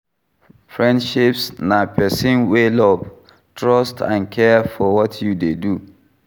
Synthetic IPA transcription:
fɹɛ̃ndʃipsnãpʰɛsĩnwelɔv | tʰɹɔstʰã̰nkʰɛfɔwɔtʰjudedu

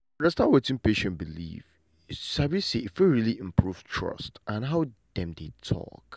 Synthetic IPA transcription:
ɹɛstawetɪ̃npeʃɛ̃nbilḭv | sabiseifuɹiliʔɪ̃mpʰɹuv̥tʰɹʌ̰stʔãnɦaʊd̥ɛ̃mdetʰɔ̰k

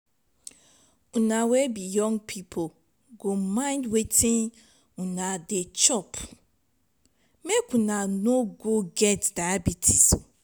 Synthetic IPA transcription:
ũnãwɛbijɔ̃ŋɡpʰipʰo | ɡomãɪ̃ndwetʰɪ̃n | ũnãdet͡ʃɔp | mekũnãnoɡoɡɛtdabitʰi̥s

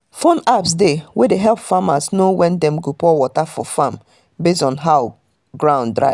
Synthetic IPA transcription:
fɔ̃napsdewedeɦɛlpfamasnowɛ̃ndɛ̃mɡopɔwɔtafɔfãm | besɔ̃nɦaʊ | ɡɹãʊ̃ndɹa̰ɪ

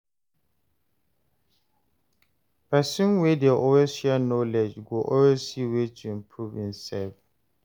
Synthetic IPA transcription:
pɛsũnwedeʔɔwesʃɛnɔlɛd͡ʒɡoʔɔwezsiwetʰuĩmpʰɹuvĩnsɛlf

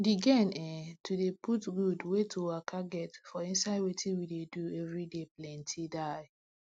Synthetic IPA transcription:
diɡɛ̃nɛtʰudeputɡudwetʰoakʰaɡɛtfɔĩnsaɪdwetʰĩwideduɛvɹideplɛ̃ntʰidaɪ

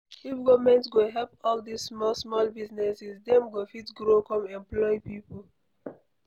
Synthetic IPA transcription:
ifɡɔvmɛ̃ntsɡoɦɛlpɔldissmɔsmɔlbiznɛsisdɛ̃mɡofitɡɾokɔ̃mɛ̃mplɔjpipol

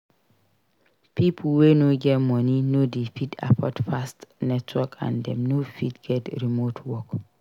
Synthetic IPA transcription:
pipʰlwenoɡɛtmɔninodifida̰pʰɔ̰tfastnɛtʰwɔkã̰ndɛ̰̃mnofidɡ̥ɛtɹimotʰwɔk

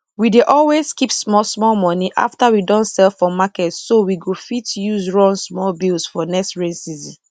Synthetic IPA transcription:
wideʔɔlwezkipsmɔlsmɔlmɔniʔa̰ftawidɔ̃ntsɛlfɔmakɛtssowiɡofitjuzɹɔ̃nsmɔlbilsfɔnɛkstɹẽnsizḭ̃

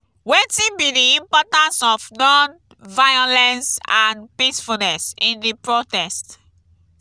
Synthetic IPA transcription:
wetĩnbidiĩmpɔtãnsɔfnɔ̃n | vajɔlɛ̃nsãnpisfunɛsĩndipɹotɛst

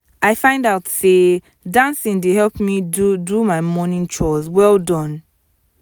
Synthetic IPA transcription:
ʔaɪfãɪ̃ndaʊtse | dãnsĩndeɦɛlˠpmidudumaɪmɔnĩŋt͡ʃɔswɛlˠdɔ̃n

